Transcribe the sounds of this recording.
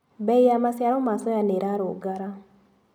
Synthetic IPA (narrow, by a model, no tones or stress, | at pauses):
bɛjamasjaɾɔmasɔjaneɾaɾoɡaɾa